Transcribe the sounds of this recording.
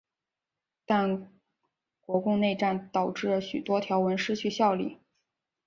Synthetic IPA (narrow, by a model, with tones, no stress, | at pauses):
t̪a˥˧n | kwɔ˧˥kʊ˥˧ŋne˥˧ɪʈ͡ʂa˥˩nt̪ɑ˨˩ʊʈ͡ʂɻ̩˥˩lə˩ɕy˨˩t̪wɔ˥t̪ʰjɑ˧˥ʊwə˧˥nʂɻ̩˥˧t͡ɕʰy˥˧ɕjɑ˥˧ʊlḭ˥˩